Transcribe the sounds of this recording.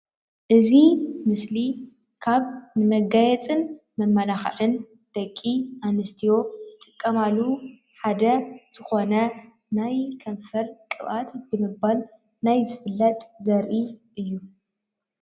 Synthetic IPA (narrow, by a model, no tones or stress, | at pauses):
ʔɨzimɨsli | kʰaβnɨmɐɡajɛt͡sʼɨn | mɐmːɐlaxʕɨn | d̪̥ɐkʼːiʔanɨst̪ʰijo̞z̥ɨt̪ʼɨkʼːɐmalːu | ħad̪ɐz̥ɨxo̞nɐ | najkʰɐnfɐɾkʼɨβat̪bɨmɨbal | najzɨfɨlːɐt̪ʼzɐɾʔiʔɨjːu